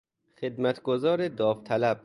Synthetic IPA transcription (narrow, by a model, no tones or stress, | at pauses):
xed̪mæt̪ʰɡozɒːɾed̪ɒːft̪ʰælæb̥̚